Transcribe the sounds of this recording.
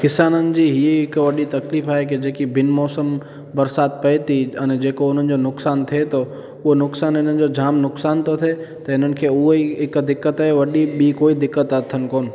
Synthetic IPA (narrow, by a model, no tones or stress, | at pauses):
kɪsaːnənɪ̆d͡ʑiɦieɪkʋɐɗit̪ɐkliːfaːɦeked͡ʒeːkibɪnmɔːsəm | bɐɾsaːd̪̚pɐjt̪iɐned͡ʒeːkoʊn̤ənɪ̆d͡ʑonʊksaːnt̪ʰet̪ʰo | ʊɦonʊksaːnɪn̤ən̆d͡ʒod͡ʒaːmnʊksaːnt̪ʰot̪ʰet̪ɐɪn̤ənɪ̆kʰeʊɦoiɪkd̪ɪkːət̪aːɦeʋɐɗiɓikoːid̪ɪkːət̪ət̪ʰːənkoːn